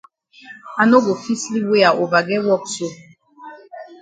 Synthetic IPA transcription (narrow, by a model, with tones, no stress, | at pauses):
a˨no˦ɡo˨fi˦sli˦we˦a˨ʔo˨va˨ɡɛ˦wɔ˦kso˦